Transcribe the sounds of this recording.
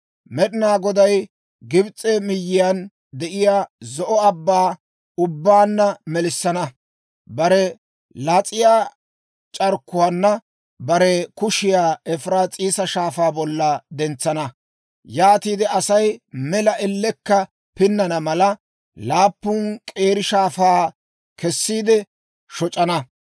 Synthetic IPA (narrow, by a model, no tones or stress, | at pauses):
mɛɗɪnaːɡɔd̪ɐj | ɡɪbt͡sʼɛmɪjːɪjan | d̪ɛʔɪjaːzɔʔɔɐbːaː | ʊbːaːnːɐmɛlɪsːɐnɐ | bɐɾɛ | lat͡sʼɪjaː | t͡ʃʼɐɾkːʊwaːnːɐ | bɐɾɛkʊʃɪjaːɛfɾaːt͡sʼiːsɐʃaːfaːbɔlːɐd̪ɛnt͡sːɐnɐ | jaːt̪iːd̪ɪɐsɐjmɛlɐʔɛlːɛkːɐ | pɪnːɐnɐmɐlɐ | laːpːʊnkʼe̞ːɾɪʃaːfaː | kʰɛsːiːd̪ɛ | ʃɔt͡ʃʼɐnɐ